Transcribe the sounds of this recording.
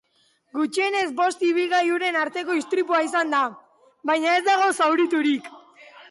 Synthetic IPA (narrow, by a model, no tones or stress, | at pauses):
ɡut͡ʃie̞ne̞zbo̞st̪iβ̞ilɣajuɾe̞naɾt̪e̞ko̞ist̪ɾipuaisand̪a | βajɲae̞zd̪aɣ̞o̞sawɾit̪uɾik